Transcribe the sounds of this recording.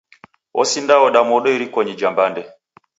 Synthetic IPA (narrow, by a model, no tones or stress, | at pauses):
ɔ̰sindawɔɗamɔɗɔiɾikɔɲid͡ʒambandɛ